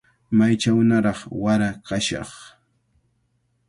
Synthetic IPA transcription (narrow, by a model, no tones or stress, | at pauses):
majt͡ʃawnaɾɑχwaɾakaʃɑ̰χ